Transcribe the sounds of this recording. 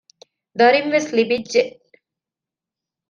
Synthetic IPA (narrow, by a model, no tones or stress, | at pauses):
d̪ɐɾinʋeslibidʒeʔ